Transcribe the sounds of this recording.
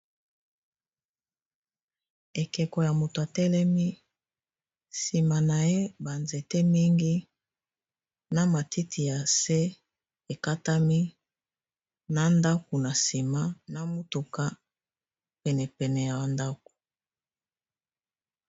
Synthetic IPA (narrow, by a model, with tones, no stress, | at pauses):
e˨kɛ˨ko˨ja˨mo˨to˨a˨tɛ˦lɛ˦mi˦ | si˨ma˨na˨je˦ba˨nze˨te˦mi˦ŋɡi˦ | na˦ma˨ti˦tʰi˨ja˨se˦ | e˨ka˦ta˦mi˦ | na˦nda˦ko˨na˨si˨ma˦na˦mo˦tu˨ka˦ | pɛ˨nɛ˨pɛ˨nɛ˨ja˨a˨nda˦k̚o̥˨